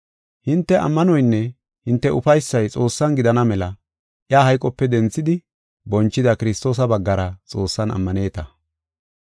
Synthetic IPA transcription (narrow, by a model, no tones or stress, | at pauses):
hɪnt̪ːɛʔɐ̰mːɐnɔjnːɛ | hɪnt̪ːɛʔʊfɐjsːɐjt͡sʼo̞ːsːɐnɡɪd̪ɐnɐmɛlɐ | ʔjaːɦɐjkʼɔpːɛd̪ɛnt͡sːɪd̪ɪ | bɔnt͡ʃːɪd̪ɐkɪɾɪst̪o̞ːs̬ɐbɐɡːɐɾɐt͡sʼo̞ːsːɐnɐ̰mːɐne̞ːt̪ɐ